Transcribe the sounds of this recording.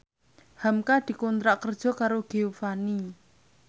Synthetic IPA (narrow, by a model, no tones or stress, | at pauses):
hamkad̪̥i̤kɔnt̪ɾaʔkərd̥ʒ̥ɔ̤kaɾoɡ̥eofani